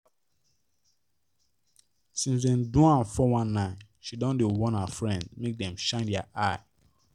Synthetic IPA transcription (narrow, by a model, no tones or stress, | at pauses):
sĩns̬dɛ̃ndũãnfɔwãnːãɪ̃n | ʃidɔ̃ndewɔ̃nhafɹɛ̃ndmek̚dɛ̃mʃãɪ̃ndɛaʔaɪ